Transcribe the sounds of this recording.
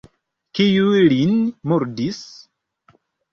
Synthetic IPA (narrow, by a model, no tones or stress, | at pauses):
kijulinmuɾdis